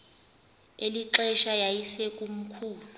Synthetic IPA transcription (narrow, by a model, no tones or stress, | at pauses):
eliǁɛʃajajisɛkʼum̩kʰuːlu